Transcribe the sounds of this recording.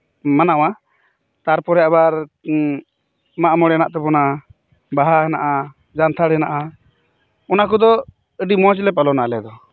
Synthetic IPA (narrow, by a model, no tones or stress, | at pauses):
manawa | t̪aɾpɔɾɛaβaɾ | maʔmɔɽɛnaʔt̪ɛbɔna | baɦaɦɛnaʔa | d͡ʒant̪ʰaɽɛnaʔa | ɔnakud̪ɔ | əɖimɔ̃t͡ʃlɛp̬alɔnaʔlɛd̪ɔ